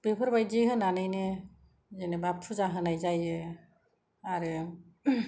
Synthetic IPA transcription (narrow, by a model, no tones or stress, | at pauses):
b̥epʰɯɾbajziɦɯnanajne | zenɛbapʰuzaɦɯnajzaje | aɾɯ